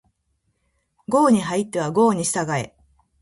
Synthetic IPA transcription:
ɡo̞ːɲ̟iɦait̪ːe̞β̞aɡo̞ːɲ̟iɕi̥t̪aɡae̞̰

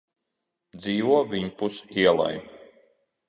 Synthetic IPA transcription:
d̪ziːʋuɔvʲiɲpusiɛlˠa̰j

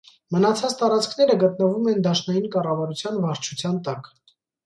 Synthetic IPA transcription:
mənɑt͡sʰɑt͡st̪ɑɾɑt͡skʰn̪ɛɾəɡət̪̚nəvumɛnd̪ɑʃnɑjinkɑrɑvɑɾut͡sʰjɑnvɑɾt͡ʃʰut͡sʰjɑnt̪ɑk

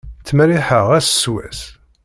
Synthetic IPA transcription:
t͡sːmæliħəʁæsswæ̰s

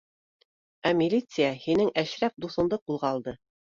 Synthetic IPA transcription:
æmʲilʲit̪sɨjahinɘŋʔæʃɾæp̚d̪uθɤ̆nd̪ɤqulˠʁɑːlˠd̪ɤ

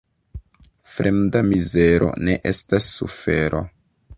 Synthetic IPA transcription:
fɾemdamize̞ɾo̞̰ne̞ʔe̞stasːufe̞ɾʔo̰

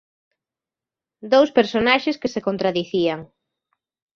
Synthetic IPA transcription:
d̪owspeɾsonaʃeskesekont̪ɾaðiθiaŋ

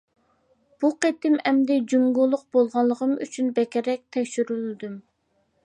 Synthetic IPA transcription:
b̥uqet̪ɪmɛmd̪ɛd͡ʒuŋɡulˠːʊq̚bolˠʁɑlˠːəʁəmy̰t͡ʃʰynbɛkʲɪɾɛk̚ʲt̪ʰɛkʲʃyɾylɪd̪ym

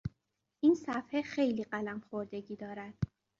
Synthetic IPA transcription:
ʔiːnsæfhexejliːɢælæmxoɾd̪e̞ɟiːd̪ɒːɾæd̪̥

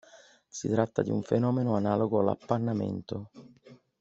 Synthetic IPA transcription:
sit̪ɾat̪ːad̪iuɱfenɔːmenoanaːloɡoala̰pːarnamɛ̰nt̪o

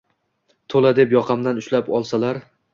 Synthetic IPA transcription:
t̪ʰolad̪epjɒqʰɑmd̪anʊʃlapɒlˠsalaɾ

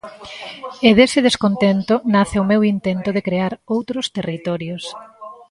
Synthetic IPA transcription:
eðesɪð̞eskont̪ent̪ʊnaθeʊmewint̪ent̪ʊðekɾeaɾowt̪ɾʊst̪erit̪ɔɾjos

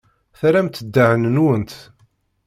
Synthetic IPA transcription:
θɾæmt̪ːəd̪ːaʕənnwənt̪

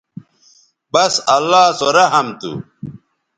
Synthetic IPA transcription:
bɐsɐlːaːsoɾɐɦɐmt̪ṵ

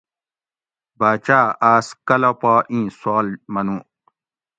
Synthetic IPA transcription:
baːt͡ʃaːaːskɐlɐpaːʔĩːsaːlmɐnũ

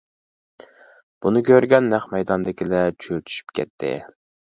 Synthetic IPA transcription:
b̥unɨkʲʰøɾɡʲɛnːæχmɛjd̪ɑnd̪ɪkʲilɛt͡ʃʰyøt̪ʰy̥ʃy̥pkʲʰɛ̰t̪ʰːɪ̰

